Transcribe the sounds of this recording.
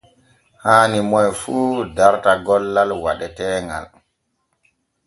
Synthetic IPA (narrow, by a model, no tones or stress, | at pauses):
haːnimɔjfuːdaɾtaɡɔlːalwa̰ɗɛtɛːŋɡa̰l